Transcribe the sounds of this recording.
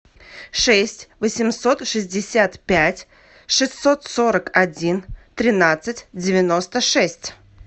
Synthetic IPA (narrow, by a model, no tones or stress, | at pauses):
ʂɛsʲtʲvəsʲɪmso̞t̪ʂɨzʲdʲɪsʲat̪pʲætʲ | ʂɨsʲt̪ːot̪so̞ɾəkɐdʲint̪ɾʲɪnat̪sɨtʲdʲɪvʲɪno̞st̪əʂɛsʲtʲ